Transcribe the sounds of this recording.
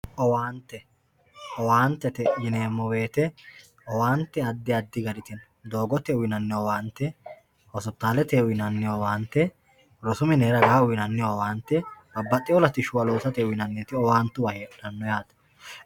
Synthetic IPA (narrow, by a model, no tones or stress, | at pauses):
ʔɔwaːnt̪ːɛ | ɔwaːnt̪ːɛt̪ɛjɪneːmːɔwe̞ːt̪ɛ | ɔwaːnt̪ːɛɐd̪ːɪɐd̪ːɪɡɐɾɪt̪ɪn | d̪o̞ːɡɔt̪ɛʊwɪnɐnːɪɔwaːnt̪ːɛ | hɔsɔt̪ːaːlɛt̪ɛʊjɪnɐnːɪowaːnt̪ːɛ | ɾɔsʊmɪneːɾɐɡɐhaʊwɪnɐnːɪjɔwaːnt̪ːɛ | ɐbːɐt̪ʼːɪɔlɐt̪ɪʃʊwɐloːsɐt̪ɛʊwɪnɐnːeːt̪ɪɔwaːnt̪ːʊwɐheːᶑɐnːɔjaːt̪